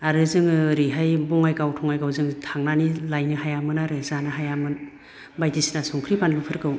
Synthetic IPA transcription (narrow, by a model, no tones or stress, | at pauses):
aɾɯzɯŋɾiɦajbɔŋajkawtʰɔŋajkawzɯŋtʰaŋnanilajnɯhajamɯnaɾɯzanɯɦajamɯn | bajdisnasuŋkʰɾipanlupʰɯɾkɯw